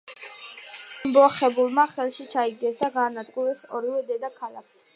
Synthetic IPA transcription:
imbɔχɛbulˠmaχɛlˠʃit͡ʃʰaiɡ̚d̪ɛsd̪aɡaːnad̪ɡʼuɾɛsɔɾivɛd̪ɛd̪akʰalˠakʰi

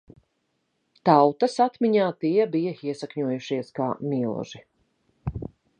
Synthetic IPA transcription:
t̪awt̪ɐsat̪miɲaːt̪iɛbijɐiɛsakɲuɔjuʃiɛska̰ːmilˠʒ̥i

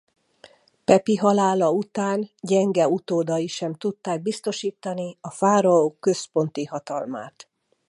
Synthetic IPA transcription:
pɛpiɦɒlaːlɒut̪aːnɟɛŋɡɛut̪oːd̪ɒjiʃɛmt̪ut̪ːaːɡ̚bist̪o̞ʃiːt̪ːɒniɒfaːɾɒokːø̞spo̞nt̪ihɒt̪ɒlma̰ːt̪

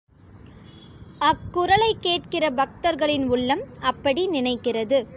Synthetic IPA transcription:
ɐkːʊɾɐlɐɪkːeːʈkɪrɐbɐk̚t̪ɐɾɣɐɭɪnʊɭːɐmɐpːɐɽinɪnɐɪkːɪrɐðɯ

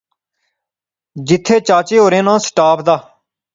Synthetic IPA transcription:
d͡ʒɪt̪ʰːeːt͡ʃaːt͡ʃeːɦoːɾẽːnãːsʈaːpʰd̪aː

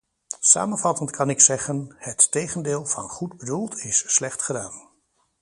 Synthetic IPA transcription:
sa̰ːmənvɑtəntkʰɑnɪksɛχənhətːejχəndɪːlˠvɑ̰nχudbədulˠtʰɪsːlɛχtχədaːn

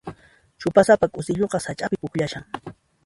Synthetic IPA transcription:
t͡ʃʊpasapakʼʊsɪʎoqɑsat͡ʃʼapɪpʊkʎaʃaŋ

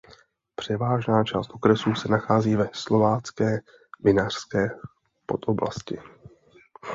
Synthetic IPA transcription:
pr̝̥ɛvaːʒnaːt͡ʃaːst̪ʔokɾɛsuːsɛnaxaːziːvɛslo̞vaːt͡skɛː | vɪnar̥skɛː | po̞t̪ʔobla̰scɪ̰

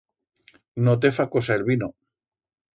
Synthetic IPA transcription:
not̪̬efakosaelβino

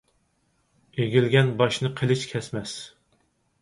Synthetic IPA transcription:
eɡʲilɡʲɛnbɑʃnɨqʰəlˠɪʃkʲʰɛsmɛs

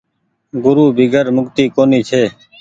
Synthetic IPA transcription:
ɡʊɾuːbʱiːɡəɾmʊkt̪iːkoːniːt͡ʃʰeː

